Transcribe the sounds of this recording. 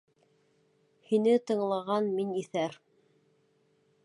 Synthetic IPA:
hinɘt̪ɤ̆ɴlˠɑʁɑnminiθæɾ

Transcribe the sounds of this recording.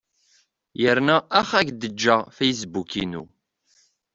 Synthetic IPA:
jəɾnæːχæçd̪əd͡ʒːæfæjs̬bukinṵ

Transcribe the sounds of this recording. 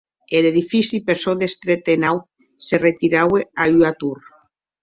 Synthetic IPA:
eleðifisipeɾsoðest̪ɾet̪enaw | seret̪iɾaweaʎuat̪uɾ

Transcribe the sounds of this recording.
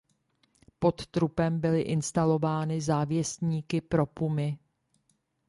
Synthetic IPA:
po̞t̪t̪ɾupɛmbɪlɪʔɪnst̪alo̞vaːnɪzaːvjɛst̪ɲiːkɪpɾo̞pumɪ

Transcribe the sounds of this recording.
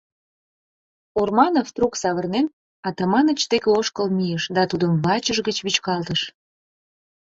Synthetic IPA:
ormɑnoft̪ruksɑβərnen | ɑt̪ɑmɑnət͡ɕt̪ekeoʃkəlmijəʃd̪ɑt̪ud̪əmβɑt͡ɕəʒɣət͡ɕβit͡ɕkɑlt̪əʃ

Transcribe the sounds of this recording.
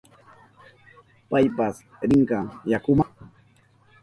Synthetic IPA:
pajpas | ɾɪɴkajakʊma

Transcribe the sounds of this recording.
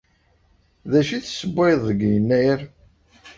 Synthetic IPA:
ðæʃiθsəbeðˤəɡjənːæjɾ

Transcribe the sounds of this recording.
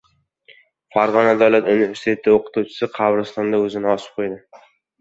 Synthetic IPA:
faɾʁɒnad̪awlat̪univeɾsit̪ʰe̞t̪ʰɪoqʰɨ̥t̪uwt͡ʃʰɪ̥sɪqʰɑvɾɪst̪ɒnd̪aɵzɪnɪɒsɪ̥p̚qʰojd̪ɪ

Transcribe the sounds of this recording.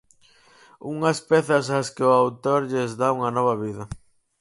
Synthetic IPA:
uŋɐspeθɐsaskɪʊawt̪oɾʎezðauŋɐnɔβ̞ɐβiðɐ

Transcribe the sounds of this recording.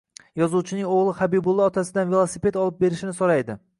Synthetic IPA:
jɒzuwt͡ʃʰɪnɪŋoʁlˠɪχabibʊlˠːɪɒt̪ʰasɪd̪anvelˠosipet̪ɒlˠɪp̚be̞ɾɪʃɪnɪsoɾajd̪ɪ

